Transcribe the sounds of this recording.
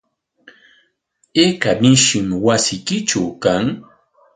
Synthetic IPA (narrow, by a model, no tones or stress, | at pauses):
ekamɪʃɪmwasɪjkɪt͡ʃawkaŋ